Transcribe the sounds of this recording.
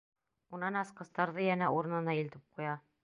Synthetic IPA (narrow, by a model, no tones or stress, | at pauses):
unɑnɑsqɤ̆st̪ɑɾðɤjænæuɾɤ̆nɤ̆nɑilt̪ɘp̚qujɑ